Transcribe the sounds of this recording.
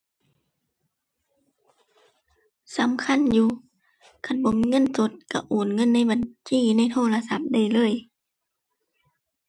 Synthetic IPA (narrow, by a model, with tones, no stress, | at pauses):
sa˨˦mkʰa˧˥˨njuː˧ | kʰa˧˩nbɔ˧˦mi˧ŋɤ˧˥˨nso˧˦t̪̚ka˧˩ʔoː˨˩nŋɤ˧˥˨nːa˧˥˨jba˨nt͡ɕiː˧˩na˧˥˨jt̪ʰoː˧˩˨la˧sa˧˦p̚da˧˩˨jlɤː˧˥˨j